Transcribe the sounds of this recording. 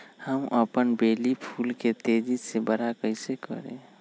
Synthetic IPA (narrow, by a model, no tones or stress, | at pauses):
həmʔəpənbeːlipʰulket̪ed͡ʒisebəɾakəɪsekə̰ɾḛ̃